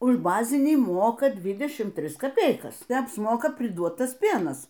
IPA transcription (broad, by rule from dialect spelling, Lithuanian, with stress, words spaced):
ʊʃ ˈbɑːzʲɪnʲiː ˈmoːkɐ ˈdʲʋʲɪdʲɛʃʲɪm ˈtʲrʲɪs kɐˈpʲɛɪkɐs tɐɪ ɐpsˈmoːkɐ pʲrʲɪˈduɔt ˈtɐs ˈpʲeːnɐs